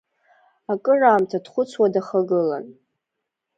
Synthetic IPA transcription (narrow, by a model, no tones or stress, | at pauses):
akʼɨraːmtʰadχʷʊt͡sʰwadaχaɡɨla̰n